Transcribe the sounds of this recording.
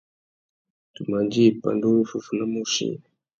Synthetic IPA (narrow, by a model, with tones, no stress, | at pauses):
tu˨ma˨nd͡ʒi˦˨pa̰˨ndu˦fu˨fu˨na˦mu˦ʃḭ˦n